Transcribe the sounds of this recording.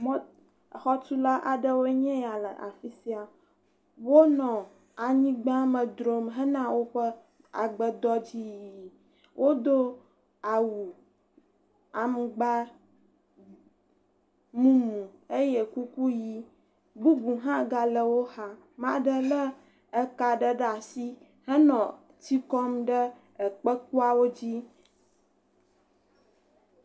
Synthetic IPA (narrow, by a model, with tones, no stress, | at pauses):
mɔ̃˦˨ | xɔ˦t̪u˦la˦ʔa˨ɖə˦wo˦ɲɛ̃˦ja˨lə˨ʔa̰˨fi˦si˦a˨ | wo˦nɔ̃˨ | a˨ɲĩ˦ɡ͡bã˦mə̃˨d̪ɾo˦mɦə˦nã˦wo˦ɸə˦ | a̰˨ɡ͡bə˨d̪ɔ˦d͡ʑi˦ji˨ | wʔo˦d̪o˦ | a˨wu˨ | a˨m˨ɡ͡ba˦ | mũ˦nũ˨e˦je˦˨ku˦ku˦ji˦ | bu˦bu˨ɦã˦ɡa˦lə˦wo˦ha˦ | mã˦ɖə˦lə˦ | ka˨ɖə˦ɖa˨si˦ | hə˦nɔ̃˨ | ti˦kɔ˦mɖə˦ | ə˨k͡pə˦k̚u˦a˦wo˦d͡ʑi˦